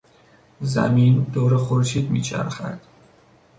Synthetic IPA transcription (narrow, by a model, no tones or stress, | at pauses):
zæ̰miːnd̪oːɾexoɾʃiːd̪mḭːt͡ʃʰæ̰ɾxæ̰d̪̥